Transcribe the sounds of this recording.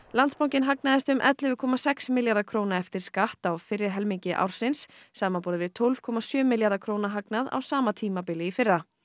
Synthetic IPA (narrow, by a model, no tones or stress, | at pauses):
lant̪spawŋcɪnɦaknaðɪst̪ʏmʔɛ̰t̪lɪvʏkʰɔmasɛksmɪljaɾðakʰɾownaɛft̪ɪɾ̥skaht̪awfɪrːɪɾ̥ɦɛlmiɲcɪʔa̰wɾ̥sɪnsːaːmanpɔːɾɪvɪðt̪ʰolv̥kʰɔmasjœːmɪljaɾðakʰɾoːwnaɦaknaða̰wsaːmat̪ʰiːmapɪlɪifɪrːa